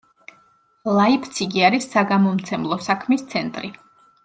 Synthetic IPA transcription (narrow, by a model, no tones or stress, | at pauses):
lˠaipʰt̪sʰiɡiaɾisːaɡamɔmt̪sʰɛmlˠɔsakʰmist̪sʰɛnt̪ʼɾi